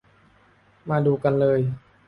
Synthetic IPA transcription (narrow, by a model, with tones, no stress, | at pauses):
maː˧duː˧ka˧nlɤː˧j